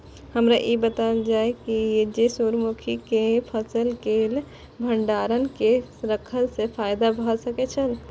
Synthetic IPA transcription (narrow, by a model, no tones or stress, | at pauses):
həmɾaʔebət̪aəld͡ʒaekijed͡ʒesuɾmukʰikepʰəsəlkel | bʱəɳɖaɾənkeɾəkʰəlsepʰajd̪abʱəsəket͡ʃʰən